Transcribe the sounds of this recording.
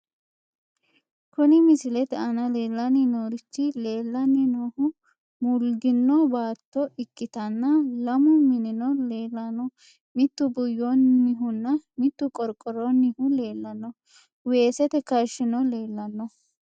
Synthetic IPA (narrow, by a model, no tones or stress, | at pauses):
kʊnɪmɪsɪlɛt̪ɐnɐle̞ːlːɐnɪnoːɾɪt͡ʃːɪleːlːɐnɪnoːhʊ | mʊlɡɪnːɔbaːt̪ːɔɪkʼːɪt̪ɐnːɐlɐmʊmɪnɪnɔleːlːɐnɔ | mɪt̪ːʊbʊjːonːɪɦʊnːɐmɪt̪ːʊkʼɔɾkʼːɔɾɔnːɪhʊle̞ːlːɐnːɔ | we̞ːsɛt̪ɛkɐʃɪnɔle̞ːlːɐnːɔ